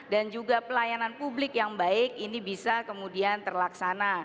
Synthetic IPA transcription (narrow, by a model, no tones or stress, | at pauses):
dand͡ʒuɡapəlajananpublɪkjaŋbaɪk̚inibisakəmudiant̪ərlaksana